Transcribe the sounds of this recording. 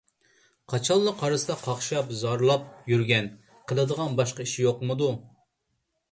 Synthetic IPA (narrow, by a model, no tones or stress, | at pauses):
qʰɑt͡ʃʰɑlˠːəqʰɑɾɨsɨd̪ɑqʰɑχʃɑpzɑɾlˠɑp̚jyɾɡʲɛn | qʰəlˠɨd̪əʁɑnbɑʃqɑiʃijoqmɨd̪u